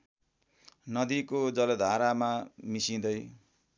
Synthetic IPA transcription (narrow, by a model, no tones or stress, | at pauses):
nʌd̪ikod͡zʌlod̪ʱaɾamamisĩd̪ʌj